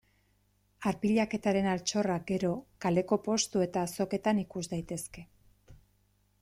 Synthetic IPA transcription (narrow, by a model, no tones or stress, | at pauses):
aɾpiʎake̞t̪aɾe̞nalt͡ʃo̞raɡe̞ɾo̞kale̞ko̞po̞st̪ue̞t̪aːso̞ke̞t̪anikuzd̪ajt̪e̞ske̞